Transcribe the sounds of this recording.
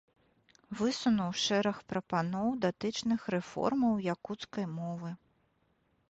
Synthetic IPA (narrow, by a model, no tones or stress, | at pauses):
vɨsunuwʂɛɾɐxpɾɐpanɔwd̪at̪ɨt͡ʂnɨxrɛfɔ̰rmɐwjakut̪skɐjmɔvɨ